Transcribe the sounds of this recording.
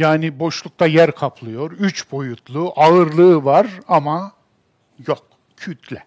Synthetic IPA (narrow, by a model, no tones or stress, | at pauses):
jaːnibo̞ʃlˠuk̚t̪ʰajæɾkʰapʰlˠɯjo̞ɾyt͡ʃbo̞jut̪ʰlˠuːʔaɯɾlˠɯːvaɾama | jok̚ | cʰyt̪ʰlʲɛ